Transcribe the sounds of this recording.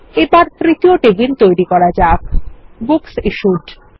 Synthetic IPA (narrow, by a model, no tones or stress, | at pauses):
ebaɾt̪ɾit̪ioʈebint̪ojɾikɔɾad͡ʑakbuksiʃuɖ